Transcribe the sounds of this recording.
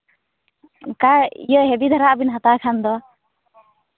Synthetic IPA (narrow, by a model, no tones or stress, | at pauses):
kaḭjəɦɛbid̪ʱaɾaʔbinɦat̪akʰand̪ɔ